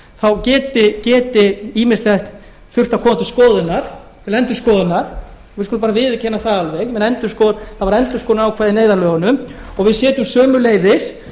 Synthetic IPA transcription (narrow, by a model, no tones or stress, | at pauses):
θawcɛːt̪ɪcɛːt̪ɪiːmɪslɛht̪ | θʏr̥t̪akʰɔːmant̪ʏskɔːðɪnːaɾ̥t̪ʰɪlɛnt̪ʏ̥ɾskɔːðʏnaɾ̥ | ɣɪskʏlʏmpaɾavɪðcʰɛnːaθaalveɣmɛnɛnt̪ʏɾ̥skɔːðθavaɾɛnt̪ʏskɔːðɪnaawkʰvaːðɪneːjðaɾlœːɣanʏm | ɔɣvɪðsjɛːt̪ʏmsœːmʏleːjðɪɾ̥